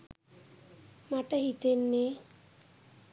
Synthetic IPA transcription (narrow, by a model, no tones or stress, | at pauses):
maʈəɦit̪enːe